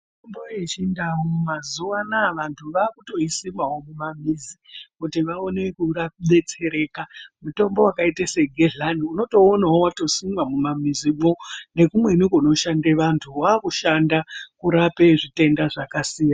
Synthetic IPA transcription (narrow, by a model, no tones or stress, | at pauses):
mtombojet͡ʃindawomumazuʋanaʋantʰuʋaːkuto̞isimawo̞mumamizikutiʋao̞ne̞kuraɓe̞t͡se̞ɾe̞ːkamuto̞mbo̞wakaitaseɡʱeɮanuno̞to̞ːnaɦowato̞simamumamizimone̞kumwe̞nikuno̞ʃandeʋantʰuwaːkuʃandakuɾape̞ʐite̞ndaʐakasiːja